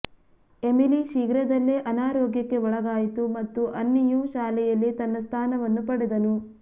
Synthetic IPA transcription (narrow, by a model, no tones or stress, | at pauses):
e̞miliʃiːɡɾɐd̪ɐlːeʔɐnaːɾoːɡjɐkːe̞ɔɭɐɡaːjit̪umɐt̪ːuʔɐnːijuʃaːlɛjɐlːit̪ɐnːɐst̪ʰaːnɐʋɐnːupɐɽid̪ɐnu